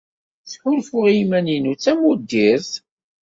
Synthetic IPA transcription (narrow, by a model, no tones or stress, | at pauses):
θħʊlfʊʁjimæninut͡sːæmud̪ːiɾθ